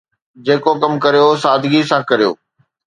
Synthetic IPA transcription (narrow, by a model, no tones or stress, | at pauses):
d͡ʑeːkokɐmkɐɾijosaːd̪ɪɡisãkɐɾijo̰ː